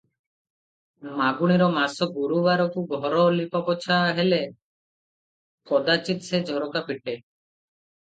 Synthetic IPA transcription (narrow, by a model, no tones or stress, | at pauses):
maɡuɽ̃iɾɔmasɔɡuɾubaɾɔkuɡʱɔɾɔlipɔpɔt͡ʃʰaɦele | kɔd̪at͡ʃit̪sed͡ʒʱɔɾɔkapiʈe